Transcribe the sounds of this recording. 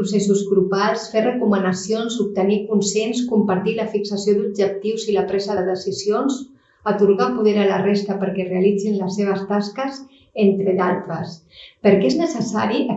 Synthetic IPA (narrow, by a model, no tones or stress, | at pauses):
usesuzɣɾupalˠsferəkumənəsionzup̚t̪ənikunsenskumpəɾt̪iləfiksəsiod̪ub̚ʒək̚t̪iwziləpɾɛzəðəðəsizions | ət̪uɾɣapuðeɾələrest̪əpəɾkɛreəlid͡zinləsːeβ̞əst̪askəs | ent̪ɾədalˠt̪ɾəspəɾkɛeznəsəsaɾiʔ